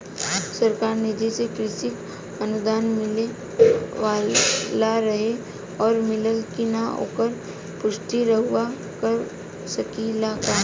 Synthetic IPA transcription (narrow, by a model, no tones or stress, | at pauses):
səɾkaːɾnɪd͡ʒisekɾɪsɪk | ənʊd̪aːnmɪle | ʋalaɾəɦe | ɔːɾmɪləlkinao̰ːkəɾ | pʊʃʈ̪iɾəɦʊwa | kəɾ | sɐkilakaː